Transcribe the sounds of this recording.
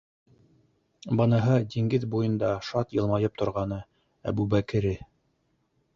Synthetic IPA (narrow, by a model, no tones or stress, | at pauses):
bɤ̆nɤɦɤd̪iŋɡɘðbujɤ̆nd̪ɑʃɑt̪jɤ̆lˠmɑjɤp̚t̪ŏɾʁɑnɤ | æ̰bubækɘ̆ɾɘ